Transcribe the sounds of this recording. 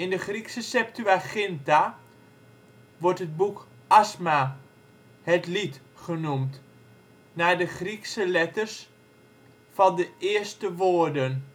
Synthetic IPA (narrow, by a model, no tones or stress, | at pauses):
ɪndəχriksəsɛp̚tyaχɪnta | ʋɔrtɦəd̚buk | asma | hɛtlit | χənumt | nadəχriksəlɛtərs | fɑndəɪːəstəʋoːərdən